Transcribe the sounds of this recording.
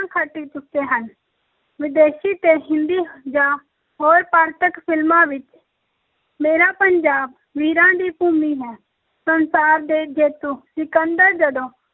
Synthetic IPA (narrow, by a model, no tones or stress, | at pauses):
kʰəʈːiːt͡ʃʊkkːeːɦən | ʋɪd̪eːʃiːt̪eːɦɪ̃nd̪iːd͡ʒaː | ɦoːɾpaːɾt̪əkpʰɪlmãːʋɪt͡ʃ | meːɾaːpəɲd͡ʒaːb | ʋiːɾãːd̪iːpuːmiːɦɛː | sənsaːɾd̪eːd͡ʒeːt̪uːsɪkənd̪əɾd͡ʒəɖõː